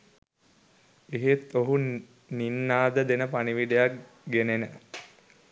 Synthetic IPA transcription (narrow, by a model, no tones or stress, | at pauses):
eɦet̪oɦun | ninːaːd̪əd̪enəpaniʋiɖejak̚ | ɡenenə